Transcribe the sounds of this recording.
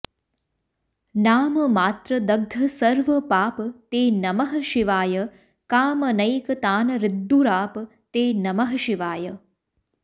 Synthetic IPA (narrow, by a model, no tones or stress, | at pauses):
naːmɐmaːt̪ɾɐd̪ɐɡ̚d̪ʱɐsɐɾʋɐpaːpt̪eːnɐmɐɦɐʃiʋaːjɐ | kaːmɐnɐjkɐt̪aːnɐɾɪd̪ːuɾaːp | t̪eːnɐmɐɦɐʃiʋaːjɐ